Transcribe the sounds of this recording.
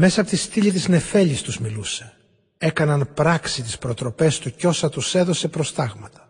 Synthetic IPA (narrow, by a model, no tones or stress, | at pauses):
me̞sɐːpo̞t̪ist̪iʎit̪̬izne̞fe̞ʎist̪uzmiluse̞ | e̞kɐnɐnpɾɐksit̪ispɾo̞t̪ɾo̞pe̞st̪uco̞sɐt̪use̞ðo̞se̞pɾo̞st̪ɐɣmɐt̪ɐ̥